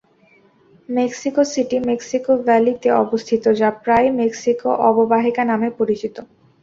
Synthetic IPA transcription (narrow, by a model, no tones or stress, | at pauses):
meksikosiʈimeksikovɛlit̪eɔbost̪ʰit̪od͡ʑapɾajmeksikoʔɔbobaɦikanamepoɾit͡ɕit̪o